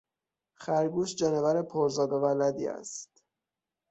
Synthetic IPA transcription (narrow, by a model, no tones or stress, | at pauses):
xæɾɡuːʃd͡ʒɒnevæɾepʰoɾzɒːd̪ovælæd̪iːæ̰st̪